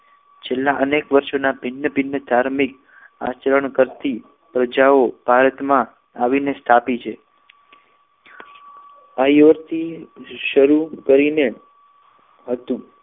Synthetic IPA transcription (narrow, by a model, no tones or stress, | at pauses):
t͡ʃʰelːaʔənekʋəɾʃonabʱɪnːəbʱɪnːəd̪ʱaɾmik̚ | a̰t͡ʃəɾəɳkəɾt̪i | pɾəd͡ʒaobʱaɾət̪mã | aʋinest̪ʰapit͡ʃʰe | ajoɾt̪ʰiʃəɾukəɾine | ɦət̪ũ